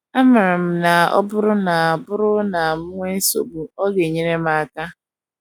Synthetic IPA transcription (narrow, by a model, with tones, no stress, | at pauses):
a˦mɪ˨ɾɪ˨m̩˨na˨ɔ̰˦bʊ˦ɾʊ˦na˨a˨bʊ˦ɾʊ˦na˨m̩˦ŋʷe˦n̩˦so̰˨bu˨ɔ˦ɡe˨ɲe˦ne˦ma˦˨ka˦